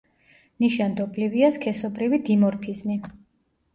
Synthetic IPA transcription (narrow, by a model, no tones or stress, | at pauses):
niʃand̪ɔbliviaskʰɛsɔbɾivid̪imɔɾpʰizmi